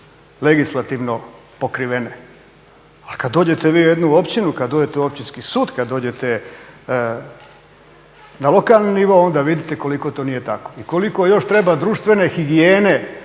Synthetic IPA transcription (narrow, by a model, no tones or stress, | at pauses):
leɡislˠat̪iʋno̞ | po̞kɾiʋene̞ | alkad̪ːoːd͡ʑe̞t̪e̞ʋiːujed̪nuo̞pt͡ɕinukad̪d̪oːd͡ʑe̞t̪euopt͡ɕinskisuːd̪kad̪d̪o̞ːd͡ʑe̞t̪e | nalo̞kalˠniniʋo̞o̞nd̪aʋid̪it̪e̞ko̞liko̞t̪oniːje̞t̪ako̞iko̞liko̞jo̞ʃt̪ɾe̞bad̪ɾuːʃt̪ʋe̞ne̞xiɡieːne̞